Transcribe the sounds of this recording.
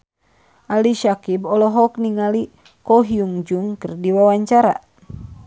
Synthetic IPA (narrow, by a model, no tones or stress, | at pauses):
ʔaliʃakibɔlɔɦɔkniŋali | kɔɦiuŋd͡ʒuŋkɨrdiwawaɲt͡ʃaɾa̰